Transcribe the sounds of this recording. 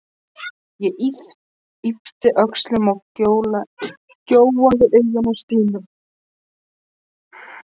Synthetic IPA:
jɛʔiht̪ | ipt̪ɪʔœkslʏmawcoːwla | cowwaðɪʔejʏnawst̪iːnʏm

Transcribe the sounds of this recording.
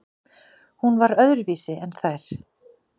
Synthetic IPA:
hunvaɾœðɾviːsɪɛnθajɾ̥

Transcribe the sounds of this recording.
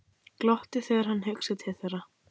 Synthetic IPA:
klɔht̪ɪθɛɣaɾ̥hanːɦʏksɪt̪hɛθɛɾa

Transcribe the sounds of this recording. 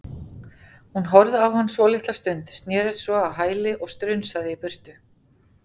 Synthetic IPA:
hunɦɔɾðawhanːsvɔːlɪht̪last̪ʏnt̪st̪njɛːɾɪt̪svɔawɦaːjlɪʔɔɣst̪ɾʏnsaðɪipʏr̥t̪ʏ

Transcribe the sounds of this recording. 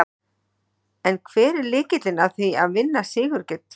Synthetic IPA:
ɛnkʰvɛːɾɛɾlɪːcɪt̪lɪnaðθiaðvɪnːasɪːɣʏɾcɪt̪

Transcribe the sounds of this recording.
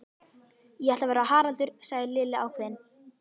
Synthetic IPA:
jɛhɛh̪t̪avɛːɾaɦaːɾant̪ʏɾ̥saːɣðɪlɪːlːɪawkʰveːðɪn

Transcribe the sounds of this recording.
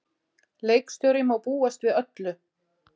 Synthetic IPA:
lejkst̪œwɾɪmawpuːast̪vɪðœt̪lʏ

